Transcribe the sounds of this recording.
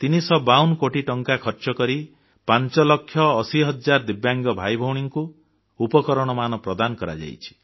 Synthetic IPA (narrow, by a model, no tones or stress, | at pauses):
t̪inisɔbawnkoʈiʈɔŋkakʰɔɾt͡ʃɔkɔɾi | pant͡ʃɔlɔkʰːjɔːsiɦʌd͡ʒaɾd̪ibjaŋɡɔbʱajbʱɔwɽ̃iŋku | upɔkɔɾɔɽ̃ɔmanɔpɾɔd̪anɔkɔɾa̰d͡ʒa̰jt͡ʃʰi̥